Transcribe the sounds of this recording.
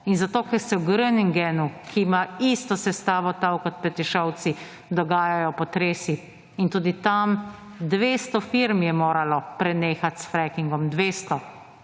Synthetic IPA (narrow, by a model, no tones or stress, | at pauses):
inzat̪oːkɛɾsɛwɡɾəniŋɡɛnukʰimaist̪ɔsɛst̪aːʋɔt̪awkɔt̪̚pɛt̪ɛʃɔw̪si | d̪ɔɡaːjajɔpɔt̪ɾeːsiː | nt̪uːd̪it̪am | d̪ʋeːst̪ɔfiɾmjɛmoːɾalɔpɾɛneːxat̪sfɾɛkiŋɡɔmd̪ʋeːst̪ɔ